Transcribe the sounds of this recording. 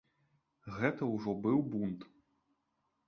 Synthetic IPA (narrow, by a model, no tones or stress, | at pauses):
ɣɛt̪ɐwʐɔbɨwbunt̪